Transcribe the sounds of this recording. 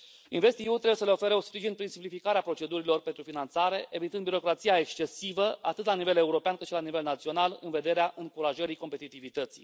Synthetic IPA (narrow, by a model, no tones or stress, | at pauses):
inve̞st̪iut̪ɾe̞bujesəleo̞fe̞ɾeospɾiʒinpɾinsimplifikaɾeapɾo̞t͡ʃe̞d̪uɾilo̞rpent̪ɾufinant̪saɾe̞ʔevit̪ɨnd̪biɾo̞kɾat̪sijae̞kst͡ʃe̞sivəat̪ɨt̪lanive̞le̞uɾo̞peankɨt̪ʃilanive̞lnat̪sio̞nalɨ̰nve̞d̪e̞ɾeaʔɨŋkuɾaʒəɾiko̞mpe̞t̪it̪ivit̪ət̪sḭ